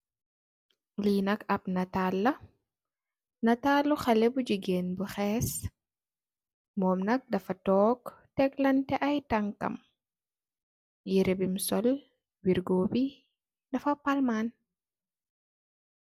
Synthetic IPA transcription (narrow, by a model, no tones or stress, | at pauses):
linɐkɐp̚nɐtalːɐ | nɐtalːuxɐlɛbud͡ʒiɡenbuxɛːs | mɔːmnɐk̚dɐfɐtɔːktɛklɐntɛʔɐjtɐŋkɐ̰m | jiɾɛbimsɔl | wiɾɡoːbi | dɐfɐpalman